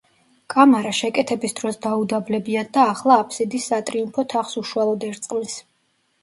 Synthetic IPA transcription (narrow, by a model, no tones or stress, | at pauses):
kʼamaɾaʃɛkʼɛt̪ʰɛbisd̪ɾɔsd̪aud̪ablɛbiad̪aːχlˠaːpʰsid̪isːat̪ʼɾiumpʰɔt̪ʰaχsuʃualˠɔd̪ɛɾt̪sʼqʼlis